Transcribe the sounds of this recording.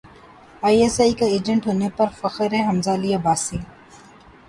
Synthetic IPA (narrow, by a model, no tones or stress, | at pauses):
aːieːsaːikaeːd͡ʒə̃ɳʈɦoːnepɐɾfɐxəɾɦɛ̃ɦɐmzaːlijaːbaːsĩː